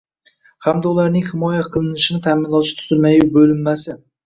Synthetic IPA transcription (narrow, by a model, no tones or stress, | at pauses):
hæmd̪ɛulˠɑɾnɪŋhɪmɑːjɛqʰəlˠɨnɪʃɪnɪt̪ʰæmɪnlˠɑʃt̪ʰy̥z̥ɪlmɛjubølɪmːæsɪ